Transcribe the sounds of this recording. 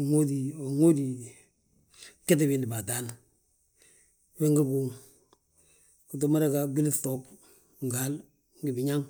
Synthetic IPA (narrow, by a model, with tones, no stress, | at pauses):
ŋo˦di˨o˨ŋo˦di˨ | ke˦t̬i˨bi˨ndi˨ba˨ta˦n | we˦ŋɡa˦ɡu˨ŋ | ki˨tu˦ma˦ɾe˦ka˨bi˦lto˦k | ŋ˨ɡa˦l | ŋɡi˨bi˨ɲa˦ŋ